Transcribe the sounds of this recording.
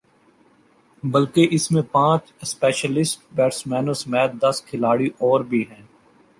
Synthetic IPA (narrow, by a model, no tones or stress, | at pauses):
bɐlkeʔɪsmẽpãːt͡ʃ | spɛːʃəlɪsʈbɛːʈsmɛːnosmɛːt̪̚d̪ɐskʰɪlaːɽiʔɔːɾbʱiɦɛ̃ː